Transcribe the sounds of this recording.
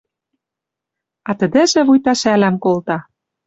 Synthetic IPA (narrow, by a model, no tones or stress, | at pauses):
ɑt̪ə̆d̪ɘ̆ʒĕβujt̪ɑʃælæmkolt̪ɑ